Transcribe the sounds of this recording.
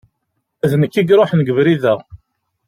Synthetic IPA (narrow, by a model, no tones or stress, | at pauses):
æðnəkːiɡɾˤoħnɡəvɾiðæ